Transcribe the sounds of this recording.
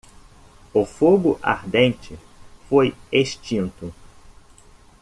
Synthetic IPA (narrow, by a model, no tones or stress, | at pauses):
ʊfoɡʊʔa̰ɾd̪ẽnt͡ʃɪ | fojeʃt͡ʃĩnt̪ʊ